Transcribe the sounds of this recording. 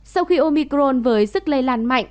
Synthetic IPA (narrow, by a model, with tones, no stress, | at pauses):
sa˧wxi˧ʔo˧mi˧kɾo˧nvəː˨˦jzɨ˦˥k̚lə˧jlaː˧˩nma̰˧˨jŋ